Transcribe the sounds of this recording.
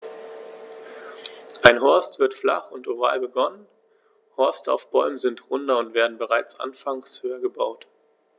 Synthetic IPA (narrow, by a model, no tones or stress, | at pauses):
ʔaɪnɦɔɐstv̥ɪɐtfla̰χʊntoʁa̰ːlbəɡɔnən | hɔɐstəa̰ʊfb̥ɔʏməzɪntʁʊndɐʊntv̥eːɐdn̩bəʁaɪt͡sʔa̰nfaŋshøːɐɡəbaʊt